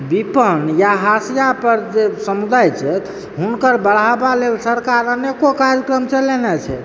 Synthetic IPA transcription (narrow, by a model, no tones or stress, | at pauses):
bipənjaɦasijapəɾd͡ʒesəmud̪ajt͡ʃʰɛt̪ | ɦunkəɾbəɽ̤abalelsəɾkaɾənekokaɾjəkɾəmt͡ʃəlenɛt͡ʃʰɛ̰